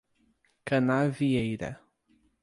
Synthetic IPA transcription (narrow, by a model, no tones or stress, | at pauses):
kɐnaviejɾɐ̰